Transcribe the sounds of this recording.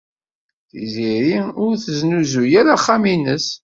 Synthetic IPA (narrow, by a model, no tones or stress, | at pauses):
θiziɾiʊɾθəznuzujæɾaχːaminəs